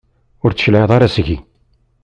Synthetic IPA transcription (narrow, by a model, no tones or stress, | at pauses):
ʊɾt͡sːə̥ʃlʕəðˤɑɾˤɑsʝi